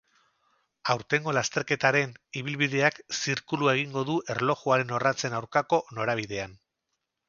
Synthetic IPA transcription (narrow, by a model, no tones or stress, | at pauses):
awɾt̪e̞ŋɡo̞last̪e̞ɾke̞t̪aɾe̞niβ̞ilβ̞iðe̞aksiɾkuluaeɣ̞iŋɡo̞ðuʔe̞ɾlo̞xuaɾe̞no̞rat͡se̞nawɾkako̞no̞ɾaβ̞iðe̞an